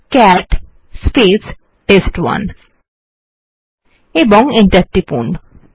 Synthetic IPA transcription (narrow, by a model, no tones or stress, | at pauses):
kæʈ | spes | ʈesʈwa̰n | ebɔŋẽɳʈɐɾʈ̪ːipṵɳɖ